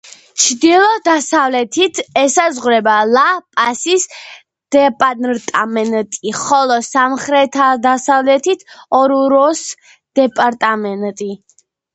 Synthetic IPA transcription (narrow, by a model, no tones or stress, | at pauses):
t͡ʃʰd̪ilˠɔd̪asavlɛt̪ʰit̪ʰɛsazʁɾɛbalapʼasis | d̪̥ɛpʼanɾt̪ʼamɛnt̪ʼiχɔlˠɔsamχɾɛt̪ʰad̪asavlɛt̪ʰit̪ʰɔɾuɾɔs | d̪̥ɛpʼaɾt̪ʼamɛnt̪ʼi